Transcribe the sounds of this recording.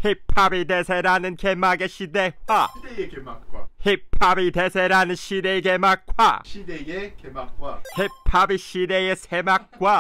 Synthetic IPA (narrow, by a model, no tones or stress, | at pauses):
hipʰabid̪esʰeɾanɯnkemaɡeɕidewwadeekemakwahipʰabit̪esʰeɾanɯnɕidekemak͈wa̰ɕideekemakwahipʰabiɕidejesʰemak̚kk͈wa